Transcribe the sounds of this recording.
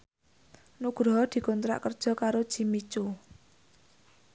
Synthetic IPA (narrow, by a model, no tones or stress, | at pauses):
nuɡ̥ɾɔɦɔd̪̥i̤kɔnt̪ɾa̰ʔkərd̥ʒ̥ɔ̤kaɾod̥ʒ̥i̤mit͡ʃu